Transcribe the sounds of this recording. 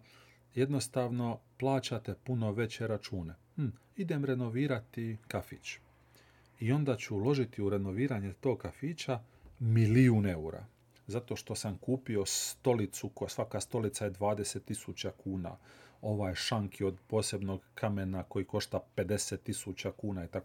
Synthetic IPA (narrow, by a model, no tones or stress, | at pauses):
je̞d̪no̞st̪aʋno̞plˠaːt͡ɕat̪e̞puno̞ʋe̞t͡ɕe̞ɾat͡ʃuːne̞ | id̪e̞mɾe̞no̞ʋiːɾat̪ikafḭt͡ɕ | io̞nd̪at͡ɕuːlo̞ʒit̪iuɾe̞no̞ʋiːɾaɲet̪oːɡ̚kafiːt͡ɕa | miliuːne̞uɾa̰ | zat̪o̞ʃt̪o̞samkuːpio̞st̪o̞lit̪sukosʋakast̪o̞lit̪sajed̪ʋaːd̪e̞se̞t̪ːisut͡ɕakuːna̰ːo̞ʋaːjʃaŋkʰio̞d̪po̞ːse̞bno̞ɡkʰamenako̞jiko̞ʃt̪ape̞d̪e̞set̪ːisut͡ɕakuːnait̪ak